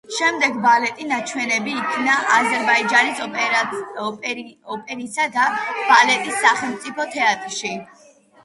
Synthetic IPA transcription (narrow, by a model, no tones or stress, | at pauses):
ʃɛmd̪ɛɡbalɛt̪ʼinat͡ʃʰwɛnɛbiːkʰnaʔazɛɾbaid͡ʒanisɔ | ɔpʼɛɾisad̪ab̥alɛt̪ʼisːaχɛlˠmt̪sʼipʰɔt̪ʰɛat̪ʼɾʃi